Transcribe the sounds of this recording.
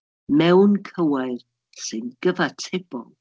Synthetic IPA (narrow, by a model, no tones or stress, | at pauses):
mɛwnkʰəwajr | sɨnɡ̥əvatʰɪb̥ɔ̰lˠ